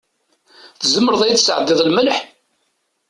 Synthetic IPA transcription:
θəzəmːəɾəðˤæjθə̥sə̰ʕəd̪ːɪðˤlməlħ

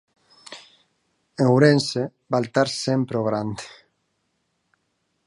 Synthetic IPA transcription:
eŋwɾense | balt̪aɾsempɾoɣɾand̪

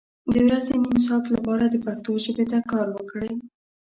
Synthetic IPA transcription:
d̪əəwɾazenims̬ɑt̪lapɑɾad̪əpaxt̪oʒəbet̪akɑɾwəkɽəj

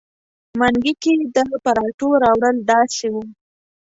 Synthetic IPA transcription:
maŋɡiked̪əpaɾɑʈoɾɑwɽəlɖɑʃewu

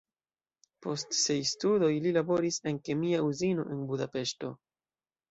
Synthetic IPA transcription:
po̞stse̞jstudo̞jlilabo̞ɾise̞nke̞miauzino̞̰ʔe̞nbudape̞ʃto̞̰

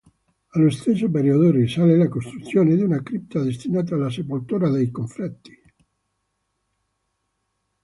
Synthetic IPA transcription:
alost̪esːop̬eɾiod̪orisalelakost̪ɾut̪sːjoːned̪iunakɾip̚t̪ad̪est̪inaːt̪̬aːlːas̬epolt̪uːɾad̪ejkoɱfɾɛt̪ːi̥

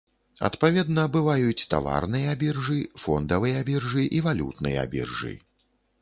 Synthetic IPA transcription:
ɐ̰t̪pavʲɛd̪nɐbɨvajut͡sʲt̪a̰va̰rnɨjɐabʲirʐɨfɔnd̪ɐvɨjɛabʲirʐɨʔivalʲṵt̪nɨ̰jɛa̰bʲḭrʐɨ̰

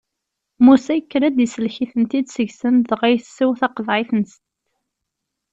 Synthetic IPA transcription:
musæjəkːɾæd̪əsəlçiθənt̪id̪səʝsənðʁæjθsːiwθɑqəðʕɪθnəst̪

